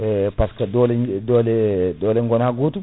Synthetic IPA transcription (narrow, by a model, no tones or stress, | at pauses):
ɛpaskadolɛdolɛdolɛŋɡɔnaɡoːt̪u